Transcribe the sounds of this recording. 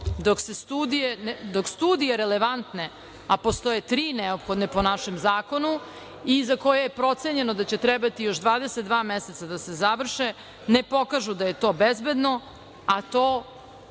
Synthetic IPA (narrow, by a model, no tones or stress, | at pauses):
d̪oksest̪uːd̪ijend̪okst̪uːd̪ijeɾeleʋant̪ne | apost̪o̞jet̪ɾiːneopxod̪nepo̞naʃemzaːko̞nu | izako̞jejepɾo̞t̪seɲe̞nod̪at͡ɕe̞t̪ɾɛbat̪ijo̞ʃd̪ʋaːd̪eset̪̚d̪vaːmeset̪sad̪asezaʋr̩ʃe | nepo̞kaʒud̪ajet̪o̞ːbezbed̪no̞ | at̪oː